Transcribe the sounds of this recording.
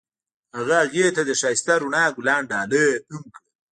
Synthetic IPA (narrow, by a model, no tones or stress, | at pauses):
haɣaaɣet̪ad̪əʃaːjst̪aɾuɳaːɡʊlɑːɳɖɑːləəmkə